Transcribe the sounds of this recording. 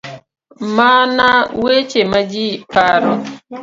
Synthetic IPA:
manawet͡ʃemad͡ʒipaɾɔ

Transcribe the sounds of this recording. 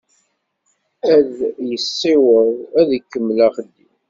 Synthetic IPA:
æðjəsːiwəðˤæðikːəmːlaχədːim

